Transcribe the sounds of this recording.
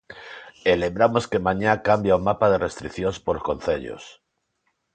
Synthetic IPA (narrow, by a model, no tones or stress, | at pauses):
elembɾamo̞skemãɲakambjaumapað̞e̞re̞st̪ɾikθjonspoɾlsko̞nθeʎo̰s